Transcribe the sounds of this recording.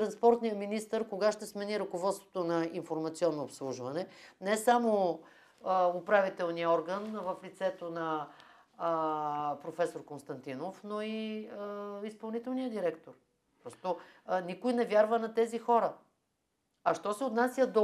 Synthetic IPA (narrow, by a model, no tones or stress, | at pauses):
t̪ɾɐnspɔɾt̪nijəminist̪əɾkoɡaʃt̪ɛsmɛniɾɐkovɔt̪st̪vo̥t̪onɐinfoɾmɐt̪siɔnːoːpslˠuʒvɐnɛnɛsamo | ʊpɾavit̪ɛlˠnijəɔɾɡənvəflit̪sɛt̪onɐ | pɾofɛsoɾkonst̪ɐnt̪inofnoiəispɐlˠnit̪ɛlˠnijəd̪iɾɛkt̪oɾ | pɾɔst̪onikʊjnɛvʲjaɾvənɐt̪ɛzixɔɾə | ɐʃt̪ɔsɛot̪nasjəd̪o